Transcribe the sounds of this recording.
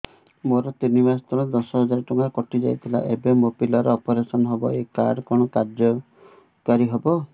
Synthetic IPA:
moɾɔt̪inimast̪ɔlɔd̪ɔsɔɦɔd͡ʒaɾɔʈuŋɡaɾɔkɔʈid͡ʒa̰jt̪ʰila̰ʔebemopilɔɾeɔpɔɾesɔnɔɦɔbɔekaɾkɔɽ̃ɔkaɾd͡ʒɔ | kaɾiɦɔbɔ

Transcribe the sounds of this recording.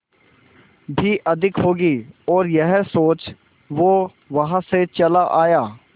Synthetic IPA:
bʱiʔɐd̪ʱɪkɦoːɡiːɔːɾjəɦsoːt͡ʃ | ʋo | ʋɐɦãset͡ʃɐlaʔaːjaː

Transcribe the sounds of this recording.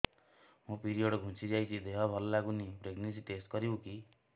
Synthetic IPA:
mũpiɾijoɽɡʱũsid͡ʒajt̪ʰid̪eɦɔbʱɔlːaɡunipɾeɡnens̬iʈesʈkɔɾiõki

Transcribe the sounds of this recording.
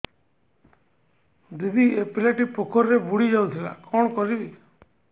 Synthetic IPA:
d̪id̪iepilaʈipokʰɔɾːebuɽid͡ʒawt̪ʰila̰kʰɔɽ̃ɔkɔɾibi

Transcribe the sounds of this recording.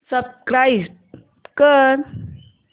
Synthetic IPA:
səb̚kɾaisʈ | kəɾ

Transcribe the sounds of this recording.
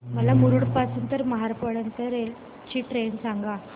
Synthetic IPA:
mɐlːamuɾuɽpaːsɯnt̪ɐɾmɐɦɐɾɐpɐɽɐnt̪ɐɾel | t͡ʃːiʈɾeːnsaŋɡa

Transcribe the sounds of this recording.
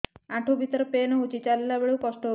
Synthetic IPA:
ãʈʰubʱit̪ɾəpenɦut͡ʃit͡ɕalelabeɭukɔsʈɔɦ

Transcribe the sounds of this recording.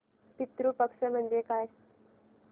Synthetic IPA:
pit̪ɾuːpəkʂəm̤əɳd͡zekaj

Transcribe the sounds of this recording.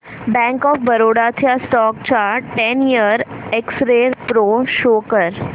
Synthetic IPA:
bɛ̃ŋkɔːfbəɾoɽat̪ʰjasʈɔk̚t͡ɕaʈenijəɾeksɾeɾpɾoʃokəɾ

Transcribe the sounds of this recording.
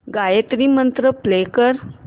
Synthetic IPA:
ɡajet̪ɾiːmənt̪ɾəplekəɾ

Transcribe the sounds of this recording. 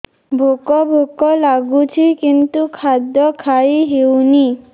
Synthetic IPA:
bʱokɔbʱokɔlaɡut͡ʃʰikint̪ukʰad̪ɔkʰajɦewni

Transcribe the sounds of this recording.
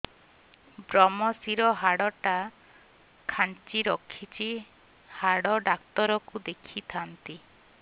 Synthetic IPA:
bɾɔmɔsiɾɔɦaɽɔʈa | kʰant͡ʃiɾɔkʰːit͡ʃʰi | haɽɔɖakt̪ɔɾɔkud̪ekʰit̪ʰant̪i

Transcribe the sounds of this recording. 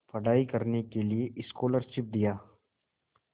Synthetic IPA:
pɐɽaːikɐɾnekelieʔɪskoːləɾʃɪp̚d̪ijaː

